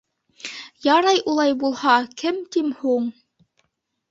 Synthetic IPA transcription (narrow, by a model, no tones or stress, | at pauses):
jɑɾɑjʔulˠɑjbulˠhɑkɘmt̪imhuɴ